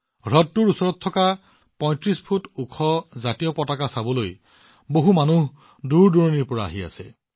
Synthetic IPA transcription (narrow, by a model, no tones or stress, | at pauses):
ɹɔtːuɹusɔɹɔt̪ʰːɔka | pɔ̃j̃tɹispʰutukʰɔzatijɔpɔtakasabɔloj | boɦumanuɦ | duɹduɹɔniɹpɔɹa̰ːɦia̰sɛ